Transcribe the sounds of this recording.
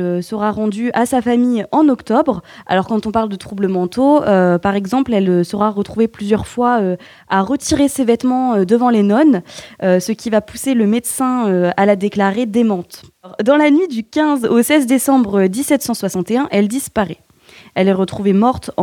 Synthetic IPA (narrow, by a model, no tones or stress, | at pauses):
øsəʁaʁɑ̃d̪yasafamijɑ̃nɔkt̪ɔbʁa̰lɔʁkɑ̃t̪ɔ̃paʁld̪ət̪χubləmɑ̃t̪oøpaʁɛɡzɑ̃plɛløsəʁaʁət̪χuveplyzjœʁfwaø | aʁət̪ʰiʁesevɛt̪mɑ̃ød̪əvɑ̃lenɔnøsəkʲivapuseləmɛd̪sɛ̃øalad̪eklaʁed̪emɑ̃t̪ʁd̪ɑ̃lanɥid̪ykʲɛ̃zosɛzd̪esɑ̃bʁəd̪isɛt̪sɑ̃swasɑ̃t̪eɛ̃ʔɛld̪ispaʁɛ | ɛlɛʁət̪χuvemɔʁt̪